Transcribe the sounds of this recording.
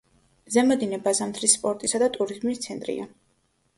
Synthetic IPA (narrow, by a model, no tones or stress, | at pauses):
zɛmɔd̪inɛbazamt̪ʰɾisːpʼɔɾt̪ʼisad̪at̪ʼuɾizmist̪sʰɛnt̪ʼɾḭa